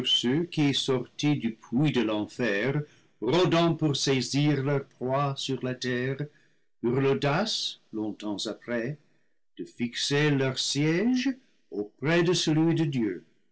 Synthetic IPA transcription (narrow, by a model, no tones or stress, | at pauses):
ʁsøkiɛsɔʁtidypʰwidəlɑ̃fɛʁ | ʁɔdɑ̃puʁseziʁlœʁpʁwasyʁlatɛʁ | yʁlodaslɔ̃t̪ɑ̃zapʁɛ | d̥əfikselœʁsjɛʒ | opʁɛdəsəlɥidədjø